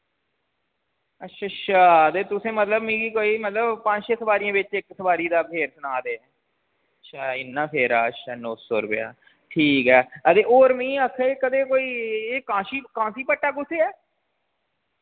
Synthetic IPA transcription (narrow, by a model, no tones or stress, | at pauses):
ətːʃʰaːtːʃʰaːəd̪eːt̪ʊsẽːmət̪ləbmĩːɡikoːiːmət̪ləbpãːd͡ʒʃeːsəbaːɾijãːbɪt͡ʃɪksəbaːɾiːd̪aːpʰeːɾsənaːd̪eː | ətːʃʰaːɪnːãːpʰeːɾaːətːʃʰaːnɔːsoːɾʊpɪja̰ː | ʈʰiːkɦɛːəd̪eːoːɾmĩːəkʰːeːkəd̪eːkoːiːeːkãːʃiːkãːsiːpəʈːaːɡʊseːɛː